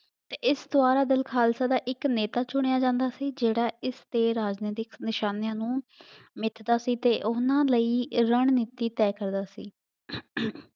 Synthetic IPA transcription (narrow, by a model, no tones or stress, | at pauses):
t̪eːɪsd̪oaːɾaːd̪ɪlkʰaːlsaːd̪aːʔɪkneːt̪aːt͡ʃʊɽ̃ejaːd͡ʒãːnd̪aːsiːd͡ʒeːɽaːɪst̪eːɾaːd͡ʒneːt̪ɪknɪʃaːnjãːnũːmɪt̪ʰd̪aːsiːt̪eːʔʊnãːləiːɾəɳniːt̪iːt̪ɛːkəɾd̪aːsḭː